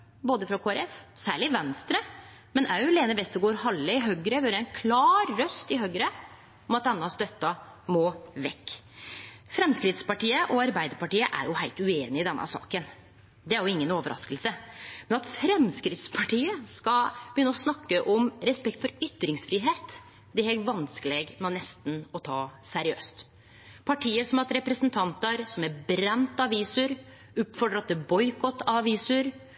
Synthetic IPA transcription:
boːd̪əfɾɑkʰoːæɾɛfsæːɭɪʋɛnst̪ɾə | mɛnʔæɾjʊleːnəbɛst̪ɔɡoːɾhɑlːəɪɦœɡɾəʋøːɾəæɪnkʰlɑːɾːœst̪ɪɦœɡɾə | ɔmɑt̪̚d̪ɛnːəɑst̪œt̪ːɑ | moːʋɛkː | fɾɛmskɾɪt̪spɑʈiːəʔɔɑɾbæɪd̪əɾpɑʈiːəʔæ̰ɾjʊhæɪlt̪ʉeːnɪɪd̪ɛnʔə̰sɑ̰ːkən | d̪ɛæɾjʊɪŋːənoːʋəɾʔɑ̰skəlsəmɛnɑt̪fɾɛmskɾɪt̪spʰɑʈʰiːəskɑb̥əjʏnːəɔsnɑkːəʔɔmɾɛspɛk̚t̪fɔɾʏt̪ːɾɪŋsfɾiːɦeːt̪ | d̪ɛheʋɑnskəleːɡmɛnɛst̪n̩ɔt̪ʰɑːsæɾɪø̰ːst̪ | pʰɑʈʰiːəsɔmɑt̪ɾɛpɾɛsnt̪ʰɑnt̪əɾsɔmæɾbɾɛnt̪ɑʋiːsəɾ | ʊpfɔɖəɾɑt̪̚d̪ɛbɔʏkɔt̪ːɑɑʋiːsəɾ

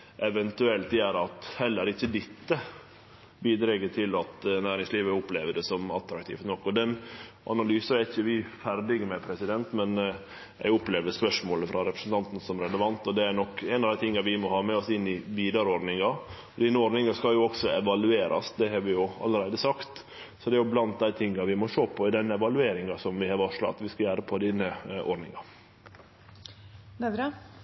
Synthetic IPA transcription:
ʔɛʋɛnt̪ʉɛlt̪d̪ɛæɾɑt̪hɛlːəɾɪçːəd̪ɪt̪ːə | biːd̪ɾeːɡət̪ʰɪlɑt̪næːɾɪŋsliːʋəʊpleːʋəɖɛsɔmɑlt̪ɾɑkt̪ʰḭːft̪nɔkːɔd̪ɛnʔɑ̰nɑlyːsəæɾɪçːəʋɪfæɾd̪ɪɡəmɛpʰɾɛsɪd̪ɛnt̪mɛn | jɛ̰ɡʊpleːʋəspœʂmoːləfɾʔɑɾɛpɾəsn̩t̪ɑnt̪n̩sɔmɾɛləʋɑnt̪ɔd̪ɛæɾnɔkːɛnɑʋd̪æɪt̪ʰɪŋːɑʋɪmɔhɑːmɛɔsɪnːɪʋiːd̪ɑɾəɔɾnɪŋɑ | ɔd̪iːnːəɔɾnɪŋɑskɑljʊɔksɔɛʋɑlʉeːɾʔɑ̰sd̪ɛɦɑɾʋɪjʊɑ̰ləɾæɪd̪əsɑkt̪ | sɔd̪ɛæɾjʊblɑnt̪̚d̪æɪt̪ʰɪŋːɑʋɪmɔʂoːpʰɔɪd̪ɛnːɛʋɑlʉeːɾɪŋɑsɔmʋɪhɑɾʋɔʂlɑ̰ɑ̰t̪ʋɪskɑjæːɾəpʰɔd̪inːəʔɔ̰ɾɖnɪ̰ŋɑ | ɾə

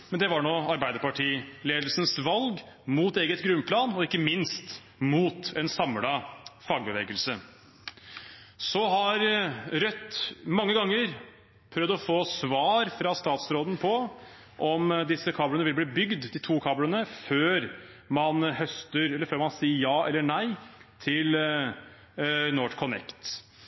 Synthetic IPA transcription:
mɛnd̪ɛʋɑɳoːɑɾbæɪd̪əɾpɑʈʰiːleːd̪l̩snsʋɑlɡ | muːt̪eːɡət̪ɡɾʉnpʰlɑːnɔɪkːəmɪnst̪ | muːt̪ɛnsɑmɽɑfɑɡbəʋeːɡəlsə | sɔɦɑɾɾœt̪ːmɑŋːəɡɑŋːəɾ | pʰɾœvd̪ɔfoːsʋɑːɾfɾɑst̪ɑːt̪sɾoːd̪ən̩pʰɔ | ʔɔmd̪ɪsːəkʰɑːblənəʋɪlbɽiːbʏɡd̪d̪it̪ʰuːkʰɑːblənəføːɾ | mɑnhœst̪əɾɛlːəɾføːɾmɑnsiːəjɑːʔɛlːəɳæɪt̪ʰɪl | noːʈkʰɔnɛ̰kt̪

